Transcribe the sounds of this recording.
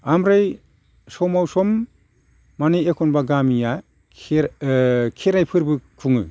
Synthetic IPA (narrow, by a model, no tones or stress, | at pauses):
amɾaj | sɔwmawsɔmː | anijekʰɔnbaɡamija | kʰeɾajpʰɯɾbɯkʰuŋɯ̰